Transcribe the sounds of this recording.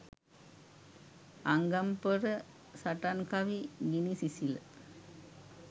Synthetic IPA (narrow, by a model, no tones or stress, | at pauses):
aŋɡampəɾə | saʈankaʋiɡinisisil